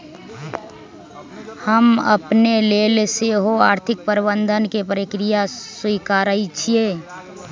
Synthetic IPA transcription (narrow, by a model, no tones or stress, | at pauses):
həmə̰pneleːlseɦoaːɾt̪ʰɪk̚pəɾbənd̪ʱənkepəɾɪkɾijaswikaːɾəit͡ʃʰie